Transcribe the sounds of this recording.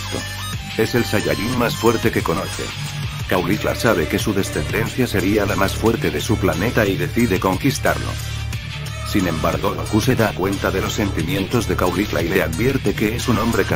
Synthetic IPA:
t̪o̰ | e̞se̞lsaʎa̰ʎinmasfwe̞ɾt̪e̞ke̞ko̞no̞θe̞̰ | kawlifla̰saβ̞e̞ke̞suðe̞sθe̞nd̪e̞n̟θjase̞ɾialamasfwe̞ɾt̪e̞ðe̞suplane̞t̪aiðe̞θiðe̞ko̞ŋkist̪a̰ɾlo̰ | sinẽ̞mbaɾɣo̞ðokuse̞ðakwe̞nt̪aðe̞lo̞sːe̞nt̪imjẽ̞nt̪o̞zðe̞kawlifla̰ile̞aðβje̞ɾt̪e̞ke̞esunõ̞mbɾe̞ka

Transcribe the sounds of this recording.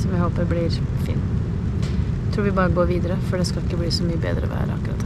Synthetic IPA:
sɔmjæɪhoːpəɾblɪːɾ | fḭːn | t̪ʰɾuːɾʋɪbɑːɾəɡoːɾʋiːd̪əɾəfɔɖɛskɑlɪkːəbliːsɔmyːəbḛːd̪əɾə̰ʋæ̰ːɾ̰ɑ̰kːɾɑ̰t̪

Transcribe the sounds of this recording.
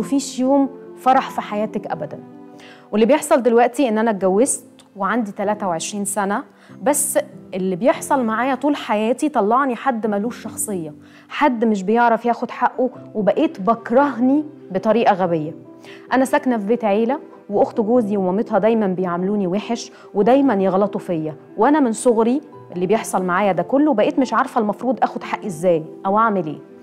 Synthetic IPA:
wefiːʃjoːmfɑɾˤɑħfiħajæːt̪ækʔæ̰bæd̪ænwelːibjeħsˤɑld̪elwæʔt̪iʔenːʔænæɡæwːest̪ | weʕand̪it̪ælæːt̪æweʕeʃɾiːnsænæ | bæsːʔelːibjeħsˤɑlmaʕaːjæt̪ˤuːlħajæːt̪it̪ˤɑlːɑʕniħad̪ːmæluːʃːɑxsˤejːɑ | ħad̪ːmeʃ̬bejeʕɾˤɑfjæːxod̪ħaʔːowebæʔeːt̪bækɾˤɑɦni | bet̪ˤɑɾiːʔɑɣæbejːæ | ʔænæsæknæfbeːt̪ʕeːlæ | weʔoxt̪ɡoːziwemæmet̪hɑd̪æjmænbejeʕmeluːniweħeʃ | wed̪æjmænjeɣlɑt̪ˤofejːæ | wʔænæmensoɣɾi | ʔelːibjeħsˤɑlmaʕaːjæd̪ækolːwebæʔeːt̪meʃʕɑɾˤfælmɑfɾˤuːd̪ˤʔæːxod̪ħaʔːezːæːjʔæwʔaʕmelḛː

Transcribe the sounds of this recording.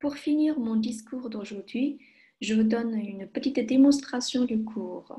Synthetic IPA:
puʁfiniːʁmɔ̃d̪iskuːʁd̪oʒuʁd̪ɥi | ʒəvud̪ɔnynpət̪it̪d̪emɔ̃st̪χasjɔ̃d̪ykʰuːʁ

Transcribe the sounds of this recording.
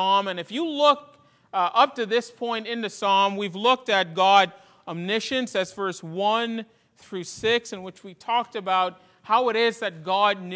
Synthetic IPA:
ɑmɨ̃nɨfjɨlʊk̚ | ʔʌp̚tɨðɪspʰɔ̃ɪ̃ntɪ̃nðɨsɑmwivlʊk̚tɨt̚ɡ̥ɑɾ | əmnɪʃɨ̃nsɛzvɜ˞swʌ̃n | θɹʉsɪksɨ̃nwɨt͡ʃwitʰɔk̚tɨbaʊt̚ | haʊɨɾɪzðɨt̚ɡ̥ɑdⁿn

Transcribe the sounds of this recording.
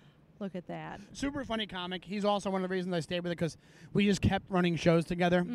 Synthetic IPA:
lʊkɨt̪̚ðæt̚sʉpə˞fʌɾ̃ikʰɑmɨkhizɔlˠsoʊwʌ̃nʌvðəɹizn̩zaɪsteɪd̚wɨðɨkʰʌz | wid͡ʒʌskʰɛp̚t̚ɹʌɾ̃ɪ̃ŋʃoʊz̥tʰɨɡɛðə˞

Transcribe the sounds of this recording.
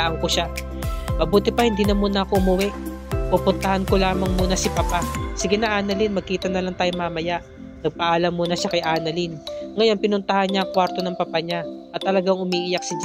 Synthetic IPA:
aʔɐŋkoʃa | mɐbuːt̪ɪpɐhɪnd̪iːnɐmuːnɐɐkoʔʊmʊwɛʔpupʊnt̪ɐhankolaːmɐŋmuːnɐsɪpɐpasɪɡɛnɐʔaːnɐlinmɐɡ̚kiːt̪ɐnɐlaŋt̪aːjoŋmaːmɐjaʔ | nɐɡ̚pɐʔaːlɐmːuːnɐʃakɐjʔaːnɐlinŋɐjo̞npɪnʊnt̪ɐhanɲaʔɐŋkwaɾt̪o̞nɐŋpɐpɐɲaʔɐt̪ːɐlɐɡaŋʔʊmiːʔɪjak̚sɪd͡ʒ

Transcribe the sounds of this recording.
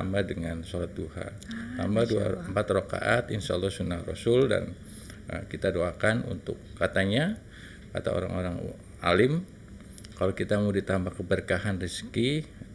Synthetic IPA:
ambadəŋansolat̪̚duha̰ | t̪a̰mbadua̰əmpat̪roka̰ʔat̪inʃaalːɔsunahro̰sʊlda̰n | ə̰kit̪adoakanṵnt̪ʊkːat̪aɲa | ka̰t̪a̰o̰ɾa̰ŋoɾaŋ | alɪm | kalokit̪amudit̪ambakəbərkaɦanriski

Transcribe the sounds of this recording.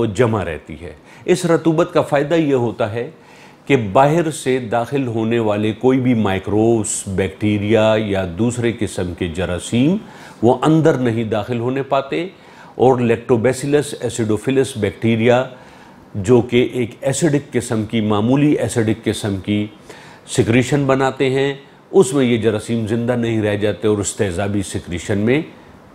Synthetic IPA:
od͡ʒɐmaɾɛ̰ɦt̪ḭɦɛ̰ː | ɪsɾɐt̪uːbət̪kafaːɪd̪ajeɦoːt̪aɦɛ | kebaːɦɪɾsed̪aːxɪlɦoːneʋaːlekoːibʱimaːɪkɾoːbsbɛːkʈiːɾijajad̪uːsɾekɪsəmked͡ʒɐɾaːsiːm | ʋoʔɐ̃nd̪əɾnɐɦĩd̪aːxɪlɦoːnepaːt̪e | ɔːɾlɛːk̚ʈɾoːbɛːsɪləsɛːsɪɖoːfɪləsbɛːk̚ʈiːɾija | d͡ʒoːkeʔeːkɛːsɪɖɪkːɪsəmkimaːmuːliʔɛːsɪɖɪkːɪsəmki | sɪkɾiːʃənbɐnaːt̪eɦɛ̃ | ʊsmẽjed͡ʒɐɾəsiːmzɪ̃nd̪anɐɦĩɾɛɦd͡ʒaːt̪eɔːɾɪst̪eɦzaːbʱisɪkɾiːʃənmẽ

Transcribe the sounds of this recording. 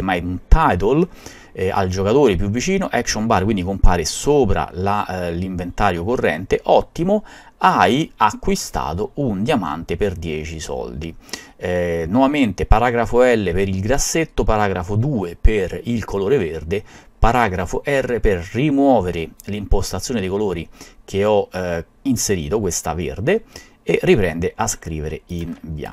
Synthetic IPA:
majunt̪ajt̪̬ol | a̰ld͡ʒokat̪oːɾepjuvːit͡ʃiːnoʔɛkʃombarkwind̪ikompa̰ːɾesoːpɾa̰laliɱvent̪aːɾjokorːɛ̰nt̪eʔɔt̪ːimo | ajakːwist̪a̰ːt̪ound̪jama̰nt̪eperd̪jɛːt͡ʃisɔ̰ld̪i | nwɔvament̪epaɾaːɡɾafoɛlːepeɾilɡɾasːet̪ːopaɾaːɡɾafod̪uːeperilkʰoloːɾeverd̪e | paɾaɡɾafoʔɛrːeperːimwɔːveɾelimpost̪at̪sːjoːnɪed̪ejkoloːɾik̟eɔ | inseɾḭːt̪ok̬west̪a̰vḛrd̪e | erːipɾɛ̰nd̪eʔaskɾiːveɾḛinbja̰

